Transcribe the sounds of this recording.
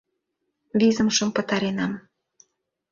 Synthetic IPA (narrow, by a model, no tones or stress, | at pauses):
vʲizə̆mʃə̆mpə̆t̪ɑɾenɑm